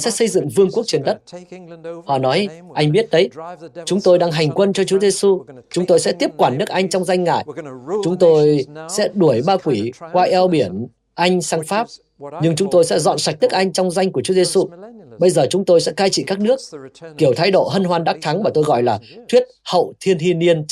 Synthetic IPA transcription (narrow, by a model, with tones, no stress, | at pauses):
sɛ̰˧˥sə˧jzɨ̰˧˨ŋvɨ˧əŋku˦˥ək̚t͡ɕi˨˦nɗə˦˥t̚ | hɔ̰˧˨nɔ˨˦jʔa˧jŋ̟ɓi˦˥ət̚ɗə˨˦jt͡ɕʊ˨˦ŋ͡mt̪o˧jɗaː˧ŋɦa˨˩jŋ̟kwə˧nt͡ɕɔ˧t͡ɕu˨˦əze˧su˧t͡ɕʊ˨˦ŋ͡mt̪o˧jsɛ̰˧˥t̪i˦˥əp̚kwaː˧˩nːɨ˦˥ək̚ʔa˧jŋ̟t͡ɕɔ˧wŋ͡mza˧jŋ̟ŋa̰ː˧˨jt͡ɕʊ˨˦ŋ͡mt̪o˧jsɛ̰˧˥ɗu˧˩əjɓaː˧kwi˧˩kwaː˧ʔɛ˧wɓi˧˩ən | ʔa˧jŋ̟saː˧ŋfaː˦˥p̚ | ɲɨ˧ŋt͡ɕʊ˨˦ŋ͡mt̪o˧jsɛ̰˧˥zɔ̰˧˨nsa˨˩k̟̚nɨ˦˥ək̚ʔa˧jŋ̟t͡ɕɔ˧wŋ͡mza˧jŋ̟ku˧˩ət͡ɕu˨˦ze˧su˧ɓə˧jzəː˨˩t͡ɕʊ˨˦ŋ͡mt̪o˧jsɛ̰˧˥kaː˧jt͡ɕḭ˧˨kaː˦˥k̚nɨ˦˥ək̚ki˧˩əwt̪ʰaː˨˦jɗo̰˧˨ɦə˧nɦwaː˧nɗaː˦˥k̚t̪ʰa˨˦ŋmaː˨˩t̪o˧jɣɔ̰˧˨jlaː˨˩t̪ʰwi˦˥t̚hə̰˧˨wt̪ʰi˧ənhi˧ni˧ən